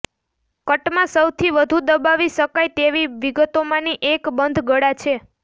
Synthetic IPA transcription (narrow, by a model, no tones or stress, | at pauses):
kəʈmãsəwt̪ʰiʋəd̪ʱud̪əbaʋiʃəkajt̪eʋiʋiɡət̪omãniʔekbənd̪ʱɡəɽat͡ʃʰe